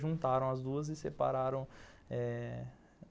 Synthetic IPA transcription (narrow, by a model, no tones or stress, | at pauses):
ʒũnt̪aɾɐ̃w̃ɐzd̪uɐzɪsepa̰ɾaɾɐ̃w̃ɛ